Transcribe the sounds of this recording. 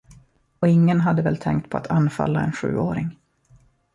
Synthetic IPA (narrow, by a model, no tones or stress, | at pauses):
ɔɪŋːənɦad̪ːəvɛːlt̪ʰɛŋkt̪̚pʰɔa̰t̪ʰanːfa̰lːaɛnɧʉ̟ːoːɾɪŋ